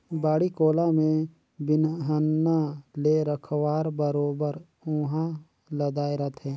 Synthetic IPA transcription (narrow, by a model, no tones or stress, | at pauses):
baːɽikoːlamẽ | bɪnɦənːaleɾəkʰwaːɾbəɾoːbəɾ | ʊɦã | ləd̪aːeɾɐt̪ʰɦɛ̃ː